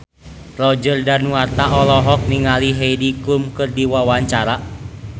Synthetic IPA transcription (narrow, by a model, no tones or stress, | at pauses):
lɔd͡ʒərdanuart̪aɔlɔɦɔk̚niŋaliɦeidikumkɨrdiwawaɲt͡ʃaɾa